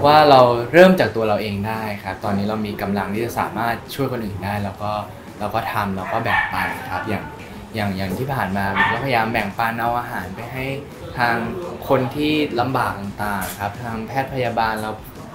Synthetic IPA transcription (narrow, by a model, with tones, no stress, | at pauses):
waː˥˩ɾa˧wɾɤː˥˩mt͡ɕaː˨˩k̚t̪u˧ɐɾa˧wʔeː˧ŋdaː˥˩jkʰa˦˥p̚t̪ɔː˧nːiː˦˥ɾa˧wmiː˧ka˧mla˧ŋt̪ʰiː˥t͡ɕa˨˩sa̰ː˨˩˦maː˥˩t̪̚t͡ɕʰu˥˩əjkʰo˧nʔɯː˨˩ndaː˥˩jlɛː˧wkɔː˥˩ | lɛː˧wkɔː˥˩t̪ʰa˧mlɛ˧wkɔː˥˩bɛ˨˩ŋ̚paː˧nkʰa˦˥p̚jaː˨˩ŋ | jaː˨˩ŋjaː˨˩ŋt̪ʰiː˥˩pʰaː˨˩nmaː˧mɯ˨˩˦kɔː˥˩pʰa˧ja˧jaː˧mbɛ˨˩ŋpaː˧nʔa˧wʔaː˧ɦaː˩˦npa˧jɦa˥˩j | t̪ʰaː˧ŋkʰo˧nt̪ʰiː˥˩la˧mbaː˨˩k̚t̪a˨˩ŋt̪aː˨˩ŋkʰa˦˥p̚t̪ʰaː˧ŋpʰɛː˥˩t̪̚pʰa˧jaː˧baː˧nla˧w